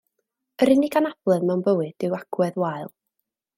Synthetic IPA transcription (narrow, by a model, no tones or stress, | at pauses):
əɾɪnɪɡanab̥lˠɨðmɛwnbəwɨd̥ɪwaɡ̥wɛðwaɨlˠ